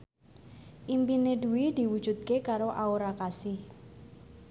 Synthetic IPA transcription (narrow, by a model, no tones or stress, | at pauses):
ʔimpinedṳwid̪̥i̤wud̥ʒ̥ṳt̪̚kekaɾoʔaoɾakasɪh